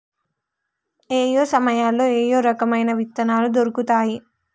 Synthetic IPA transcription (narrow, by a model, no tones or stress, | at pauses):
eːjo̞ːsɐmɐjaːlːoːeːjo̞ːɾɐkɐmɐjnɐʋit̪ːɐnaːlud̪oɾukut̪aːji